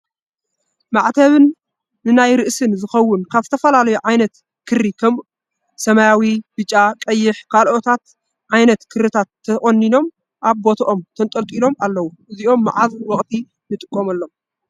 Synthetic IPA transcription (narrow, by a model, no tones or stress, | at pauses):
maʕt̪ʰɐβɨnː | ɨnajɾɨʔsɨnzɨxɐwːʊnkʰaβzɨ̥t̪ʰɐfɐlalɐjuʕajnɐt̪ | kʰɨrikʰɐm | sɐmajawib̥ɨt͡ʃʼːakʼɐjːɪħkʰalʔot̪ʰat̪̚ | ʕajnɐt̪kʰɨɾɨt̪ʰat̪ʰːɐʔʼonːino̞m | ʔaβbo̞t̪ʰɐʔo̞mt̪ʰɐnt̪ʼɐlt̪ʼilo̞malːɐwuʔɨziʔo̞mːa̰ʕazwɔχʼt̪ʰi | nɨt̪ʼɨkʼːomɐlːom